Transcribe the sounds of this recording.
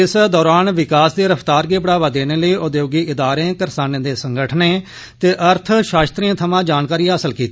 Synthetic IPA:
ɪsd̪ɔːɾaːnʋɪkaːsd̪eːɾəpʰt̪aːɾɡeːpɽaːʋaːd̪eːneːləiːʔod̪joːɡiːɪd̪aːɾẽkəɾsaːnẽːd̪eːsəŋɡəʈʰneː | t̪eːʔəɾt̪ʰʃaːʃt̪ɾiãːt̪ʰəmãːd͡ʒaːnkaːɾiːɦaːsəlkiːt̪i

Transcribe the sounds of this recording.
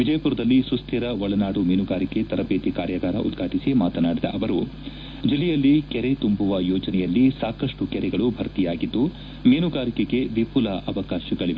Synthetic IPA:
ʋid͡ʒɐjɐpuɾɐd̪ɐlːisust̪ʰiɾɐʋɔɭɐnaːɽumeːnuɡaːɾike̞t̪ɐɾɐbeːt̪ikaːɾjɐɡaːɾɐ̰ʔṵd̪ɡʱaːʈisimaːt̪ɐnaːɽid̪ɐ̰ʔɐʋɐɾu | d͡ʒilːɛjɐlːikɛɾet̪umbuʋɐjɔːd͡ʒɐnɛjɐlːisaːkɐʂʈukɛɾɛɡɐɭubʱɐɾt̪ijaːɡid̪ːu | meːnuɡaːɾikeɡe̞ʋipulɐʔɐʋɐkaːʃiɡɐɭiʋe

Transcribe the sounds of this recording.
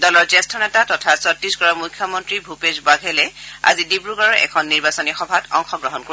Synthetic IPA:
dɔlɔɹzɛstʰɔnɛtatɔtʰasɔtisɡɔɹɔmukʰːjɔmɔntɹibʱupezbaɡʱɛlɛa̰zidibɹuɡɔɹɔɹʔɛ̰kʰɔnːiɹbasɔnixɔbʱatɔŋxɔɡɹɔɦɔnkoɹ

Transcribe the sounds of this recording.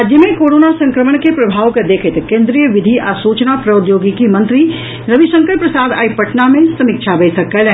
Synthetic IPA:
ad͡ʒjəmẽkoːɾoːnasɐ̃ŋkɾəməɳ̃kepɾɐbʱaːʋkad̪eːkʰɪt̪kẽːnd̪ɾijəʋɪd̪ʱiʔasuːt͡ʃnapɾɐʊd̪joːɡikimɐ̃nt̪ɾi | ɾɐʋiʃə̃ŋkəɾpɾɐsaːd̪a̰ːipɐʈnamẽsɐmɪkʃʰabeːsɐkːɐlɛ

